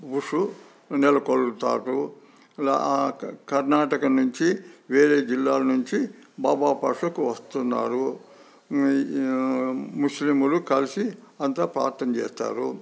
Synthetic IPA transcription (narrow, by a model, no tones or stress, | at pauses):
ʋuʂu | nɛlɐkolt̪a̰ːʈu | kɐɾnaːʈɐkɐnuɲt͡ʃiʋeːɾeːd͡ʒilːaːlɐnuɲt͡ʃibaːbaːpɐʂɐkuʋɐst̪unːa̰ːɾu | muslimulukɐlisiɐnt̪aːpɾa̰ːɾt̪ːɐmt͡ʃɛ̰ːst̪a̰ːɾu